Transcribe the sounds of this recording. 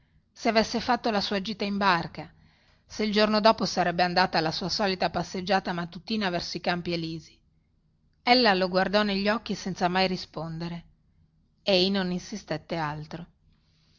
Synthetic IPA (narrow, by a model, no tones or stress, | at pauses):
seavesːefat̪ːolasuːad͡ʒiːt̪aimbarka | seild͡ʒornod̪ɔːposaɾɛbːeand̪aːt̪aːlasuːasɔːlit̪apasːed͡ʒːaːt̪amat̪ːut̪iːnavɛrsoikampieliːzi | elːaloɡward̪ɔneʎːɔkːisɛnt̪samajɾispond̪eɾe | ejnoninsist̪et̪ːealt̪ɾo